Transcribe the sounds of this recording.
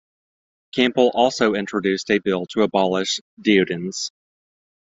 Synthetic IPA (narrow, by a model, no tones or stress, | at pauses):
kʰæ̃mpl̩ˠʔɔlˠsoʊɪ̃nt͡ʃɹ̥ɨdʉstɨbɪlˠtʰəəbɑlˠɪʃd̥iʉɾɨ̃nz̥